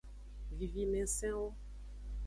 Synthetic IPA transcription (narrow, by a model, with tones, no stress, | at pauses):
vi˨vi˦mɛ̃˨sɛ̃˦o˦